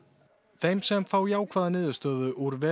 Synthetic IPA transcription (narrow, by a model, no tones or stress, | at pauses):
θejmsɛmfaːwiaːwkʰvaːðanɪːðʏst̪œːðʏʔuɾvɛ